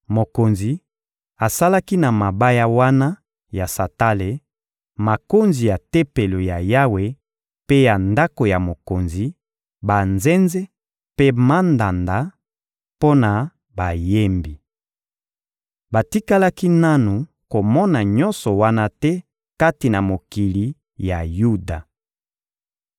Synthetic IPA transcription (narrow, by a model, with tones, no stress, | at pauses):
mo˨ko˨nzi˨ | a˨sa˦la˦ki˦na˨ma˨ba˦ja˦wa˦na˦ | ja˨sa˨ta˦le˨ | ma˨ko˦nzi˨ja˨te˦pe˨lo˨ja˨ja˦we˨ | pe˦ja˨nda˦ko˨ja˨mo˨ko˨nzi˨ | ba˨nze˦nze˦ | pe˦ma˦nda˨nda˨ | po˦na˨ | ba˨je˦mbi˨ | ba˨ti˦ka˦la˦ki˦na˦nu˨ | ko˨mɔ˦na˨ɲɔ̃˦nsɔ˨wa˦na˦tɛ˦ | ka˦ti˨na˨mo˨ki˨li˨ | ja˨ju˦da˨